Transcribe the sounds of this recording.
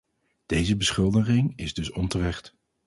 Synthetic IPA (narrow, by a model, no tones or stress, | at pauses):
d̥ejzəbəsχʏlˠdəχɪŋɪzdɵsɔntərɛχt